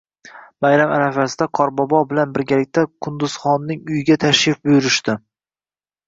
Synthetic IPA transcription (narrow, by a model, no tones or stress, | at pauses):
majɾamaɾafasɪd̪aqʰɒɾbɒbɒbɪlanbɪɾɡʲalɪk̚ʲt̪ʰakʰʊnd̪ʊz̥χɒnːɪŋʊjɪɡʲat̪ʰaʃjɪfbʊjʊɾɪʃt̪ɪ